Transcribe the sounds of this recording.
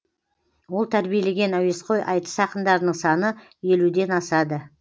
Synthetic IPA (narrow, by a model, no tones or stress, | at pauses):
wo̞lˠt̪ʰæɾbijele̞ɡʲe̞næwe̞sqo̞jʔɑjt̪ə̥sɑqənd̪ɑɾd̪əɴsɑnə | je̞lud̪e̞nɑsɑd̪ə